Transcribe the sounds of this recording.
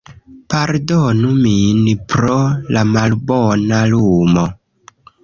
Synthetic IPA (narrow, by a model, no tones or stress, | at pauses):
paɾdonuminpɾolamalbonalumo